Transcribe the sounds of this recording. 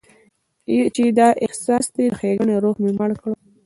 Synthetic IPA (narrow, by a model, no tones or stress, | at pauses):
t͡ʃed̪ɑʔɪhsɑsd̪exeɡəɳeɾoɣmemaɽkɽo